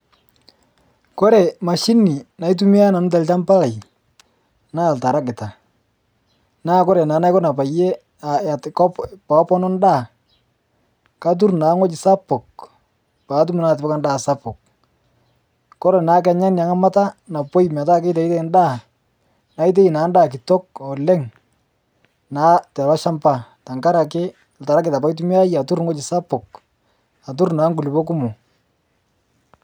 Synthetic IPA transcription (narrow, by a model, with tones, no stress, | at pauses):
kɔ˦ɾɛ˨ma˨ʃi˦nːi˨na˨˦i˦t̬u˦mi˦a˦na˨nʊ˦ta˨lt͡ʃa˦mpa˦la˨j | na˦˨lta˨ɾa˦kɪ˨ta˨ | naː˦kɔ˦ɾɛ˨naː˨˦na˦jkɔ˦na˨pa˨je˦ | a˨a˨tkɔ˦pa˨˦pɔ˦nɔ˦nda˦˨ | ka˦t̬u˦rna˨˦ŋɔ˦t͡ʃɪ˨sa˦pʊ˨k̚ | pa˨˦t̬u˦mu˨na˦tɪ˨pɔ˦ka˦nda˦˨sa˦pʊ˨k̚ | kɔ˦ɾɛ˨na˨˦k̬ɛ˨ɲa˦nja˨ŋa˦ma˦ta˦na˨po˦jma˨ta˦˨ke˦ta˨i˦te˦˨nda˦˨ | na˨˦i˦t̬e˦i˨naː˨˦ndaː˦˨kɪ˨tɔ˦k̚ɔ˨lɛ˦ŋ | na˨˦tɛ˨ba˦ʃa˦mpa˨ta˨ŋka˦ɾa˨k̬ɪ˦˨ | lta˨ɾa˦k̬ɪ˨ta˨pa˦jt̬u˦mɪ˦a˦ja˨tu˦ɾŋɔ˦t͡ʃɪ˨sa˦pɔ˨k̚ | a˨t̬u˦ɾnaː˨˦ŋɡu˨lɪ˨pɔ˦k̬ʊ˦mʊ˨